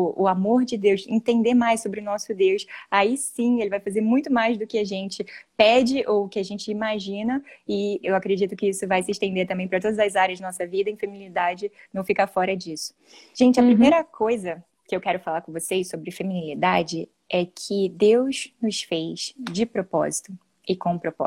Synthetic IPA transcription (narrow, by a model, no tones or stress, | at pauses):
ʊʔʊamoɾd͡ʒɪd̪ewsḛ̃t̪ẽnd̪eɾmajssobɾɪʊnɔsʊd̪ewsaisĩelɪvajfazeɾmũj̃t̪ʊmajzd̪ʊkɪaʒẽnt͡ʃɪpɛd͡ʒɪʔowʊkɪaʒẽnt͡ʃɪimaʒĩnɐɪewakɾed͡ʒit̪ʊkɪisʊvajsɪːʃt̪ẽnd̪eɾt̪ɐ̃mbẽj̃pɾɐt̪od̪ɐzɐzaɾjɐzd͡ʒɪnɔsɐvid̪ɐẽfeminilid̪ad͡ʒɪnɐ̃w̃fikafɔɾɐd͡ʒisʊ̥ | ʒ̥ẽnt͡ʃɪɐpɾimmejɾɐkʰojzɐ | kɪewkɛɾʊfalaɾkõvosejʃsobɾɪfeminilid̪ad͡ʒɪ | ɛkʰɪd̪ewznʊsfejʃd͡ʒɪpɾopɔ̰zit̪ʊ | ɪkõpɾopɔ̰